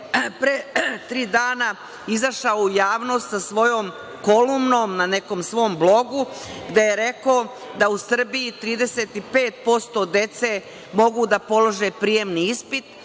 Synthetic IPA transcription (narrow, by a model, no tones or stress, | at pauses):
pɾet̪ɾiːd̪aːna | izaʃaoujaːʋno̞st̪sasʋo̞joːm | ko̞lumno̞ːmnane̞ko̞ːmsʋo̞ːmblˠo̞ɡuɡd̪e̞je̞ɾe̞koo | d̪ausr̩bijit̪ɾiːd̪e̞set̪ipe̞ːt̪̚po̞st̪o̞d̪e̞t̪se | mo̞ɡud̪apo̞loʒepɾije̞mniispit̪